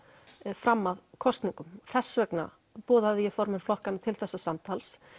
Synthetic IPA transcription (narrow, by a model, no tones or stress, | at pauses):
fɾamːaðkʰɔst̪niŋkʏmθɛsːvœkna̰ | pɔːðaðɪjɛfɔɾmɛnflɔhkanːat̪ʰɪlθɛsːasamt̪ʰals